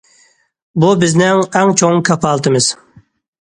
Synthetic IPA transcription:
bubɪznɪŋɛŋt͡ʃʰoŋkʰɑpʰɑlˠt̪ʰɨmɨz̥

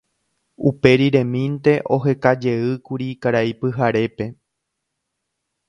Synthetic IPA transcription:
upe̞ɾiɾẽ̞mĩnt̪e̞ʔo̞ɦe̞kad͡ʒe̞ɨkuɾikaɾaipɨɦaɾe̞pe̞

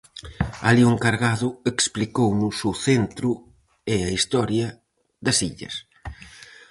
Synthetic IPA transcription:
a̰lioŋkaɾɣaðʊeksplikownʊsʊθent̪ɾʊ | eɐist̪ɔɾjɐ | ðɐsiʎɐ̰s

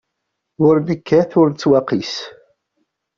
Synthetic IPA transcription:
ʊɾnəkʰːæθʊɾt͡sːwɑqis

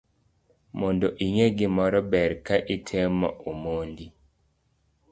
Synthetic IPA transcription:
mondoʔiŋeɡɪmɔɾɔbɛɾkaʔitʰemɔ̰ʔomondi

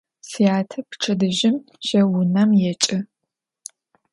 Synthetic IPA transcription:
sijaːtʰɐpʰʈ͡ʂʰɐdɨʒɪm | ʃɐwʊnɐmjɛt͡ʃʼɪ

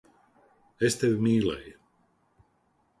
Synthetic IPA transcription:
est̪evʲmiːlɛ̰j

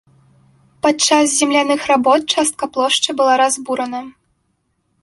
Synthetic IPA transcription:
pat͡ʂas̬zʲɛmlʲanɨxrabɔt̪̚t͡ʂast̪̚kɐplˠɔʂt͡ʂɨbɨlˠaɾazbuɾɐnɐ

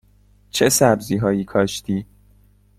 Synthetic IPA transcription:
t͡ʃʰesæbziːɦɒːjiːkʰɒːʃt̪ʰiː

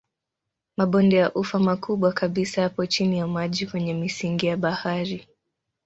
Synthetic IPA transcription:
maɓɔndɛjaʔufamakuɓwakaɓisahapɔt͡ʃinijamaʄikwɛɲɛmisiŋɡijaɓahaɾi

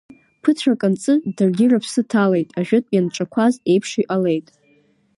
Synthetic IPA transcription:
pʰɨtʷʰakʼant͡sʼɨdɨrɡʲɪrapʰsɨtʰale̞jtʼaʒᶣʊtʼjanʈ͡ʂʼakʷʰaze̞jpʰʂiʔʼale̞jtʼ

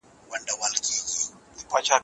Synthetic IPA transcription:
wandawalkid͡ʒi | ipat͡ʃa

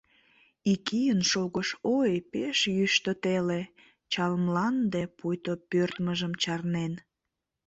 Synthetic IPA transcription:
ikijənʃoɣəʃojpeʃjyʃt̪ət̪ele | t͡ɕɑlmlɑnd̪epujt̪opørt̪məʒəmt͡ɕɑrnen

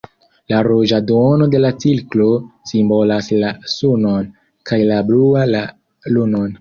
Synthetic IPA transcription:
laɾod͡ʒadono̞de̞lat͡silklo̞simbo̞laslasunon | kajlabluaa | lunon

